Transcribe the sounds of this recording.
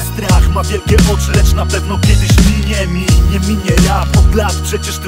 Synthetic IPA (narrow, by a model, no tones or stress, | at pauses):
st̪ɾaxmavʲjɛlkʲɛʔɔt͡ʂɘlɛt͡ʂnapɛvnɔkʲɛd̪ɘɕmʲiɲɛmʲiɲɛmʲiɲɛjaɔd̪laspʂɛt͡ɕɛʂt̪